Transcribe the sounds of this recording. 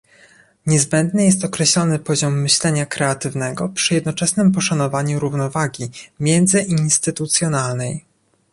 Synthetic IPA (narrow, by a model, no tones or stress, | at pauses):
ɲɛzbɛnd̪nɘjɛst̪ɔkɾɛɕlɔnɘpɔʑɔmːɘɕlɛɲakɾɛat̪ɘvnɛɡɔpʂɘjɛd̪nɔt͡ʂɛsnɘmpɔʂanɔvaɲuɾuvnɔvaɡʲimʲjɛnd̪zɘʔinst̪ɘt̪ut̪sʲjɔnalnɛj